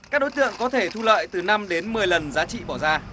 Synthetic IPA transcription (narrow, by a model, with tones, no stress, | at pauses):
kaː˦˥ɗo˨˦jt̪ɨ̰˧˨əŋkɔ˨˦t̪ʰe˧˩t̪ʰu˧lə̰ː˧˨jt̪ɨ˨˩na˧mɗe˨˦nmɨ˨˩əjlə˨˩nzaː˨˦t͡ɕḭ˧˨ɓɔ˧˩zaː˧